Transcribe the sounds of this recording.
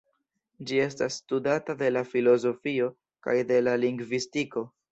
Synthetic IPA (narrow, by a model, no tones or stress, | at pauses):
d͡ʒie̞s̬tasːtudatade̞lafilo̞zo̞fio̞ | ka̰jde̞laliŋɡvistiko̞